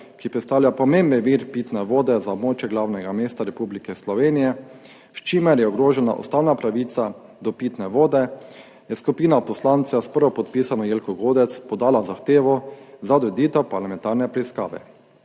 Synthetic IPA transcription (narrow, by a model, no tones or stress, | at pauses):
kipɾɛt̪st̪aːwlʲjapɔmembiʋiɾpiːt̪nɛʋoːd̪ɛzaɔbmoːt͡ʃjɛɡlawnɛɡameːst̪aɾɛpublikɛslɔʋeːnijɛ | ʃt͡ʃimɛɾjɛɔɡɾoːʒɛna̰ʔɔ̰st̪aːwnapɾaʋiːt̪sa | d̪ɔpiːt̪nɛʋoːd̪ɛ | jɛskupiːnapɔslant̪saspəɾʋɔpɔt̪piːsanɔjeːlkɔɡoːd̪ɛt̪spɔd̪aːlazaxt̪eːʋɔzaɔd̪ɾɛd̪iːt̪ɛwpaɾlamɛ̃nt̪aɾnɛpɾɛiska̰ːʋɛ̰